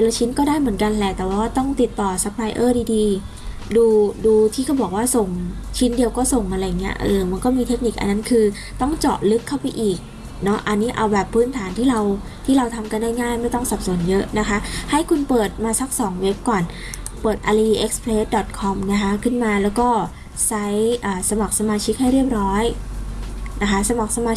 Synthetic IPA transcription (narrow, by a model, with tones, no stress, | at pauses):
la˧wt͡ɕʰi˦˥nkɔː˥˩daː˥˩jmɯ˩˦ənka˧nlɛ˨˩t̪ɛː˨˩wːaː˥˩t̪ɔ˥˩ŋt̪i˨˩t̪ːɔː˨˩sa˨˦˥k̚laː˧jʔɤː˥˩diː˧diː˧ | duː˧duː˧t̪ʰiː˥˩kʰbɔː˨˩k̚waː˥˩so˨˩ŋt͡ɕʰi˦˥ndi˧əwkɔː˥˩so˨˩ŋʔa˧ɾa˧ja˨˩ŋi˦˥ɐʔɤː˧ma˧nkɔː˥˩miː˧t̪ʰe˦˥k̚ni˨˩k̚ʔa̰˧nːa˦˥nkʰɯː˧ | t̪ɔ˥˩ŋt͡ɕɔː˨˩lɯ˦˥kʰːa˥˩wpa˧jʔiː˨˩k̚ | nɔ˦˥ʔa˧nːiː˦˥ʔa˧wbɛː˨˩pʰːɯː˦˥˩nt̪ʰaː˩˦nt̪ʰiː˥˩ɾa˧w | t̪ʰiː˥˩ɾa˧wt̪ʰa˧mka˧ndaː˥˩jŋaː˥˩jma˥˩jt̪ɔ˥˩ŋsa˨˩p̚su˨˩˦ənjɤ˦˥ʔna˦˥kʰa˦˥ʔha˥˩jkʰu˧npɤː˨˩t̪̚maː˧sa˦˥k̚sɔː˩˦ŋwe˦˥p̚kɔː˨˩n | pɤː˨˩t̪̚ʔa˧ɾa˧i˧ʔe˦˥k̚spʰleː˦˥t̪̚dɔ˨˩t̪̚kʰɔ˧mna˦˥kʰa˦˥kʰɯ˥˩nmaː˧lɛː˦˥wkɔː˥˩ | sa˦˥jʔaː˨˩sa˧ma˨˩k̚sa˧maː˧t͡ɕʰi˦˥k̚ɦha˥˩jɾi˥˩əp̚ɾɔː˦˥j | na˦˥kʰa˦˥sa˧ma˨˩k̚sa˧maː˧